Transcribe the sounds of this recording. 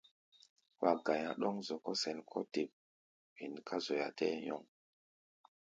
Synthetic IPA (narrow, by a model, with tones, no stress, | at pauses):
wa˨ɡa˨ja˨ɗɔ˦ŋzo˨ko˦sɛ˨nkʰo˦ti˨p̚ | mi˨nkʰa˦zo˨ja˨tḛ˦jɔ˦ŋ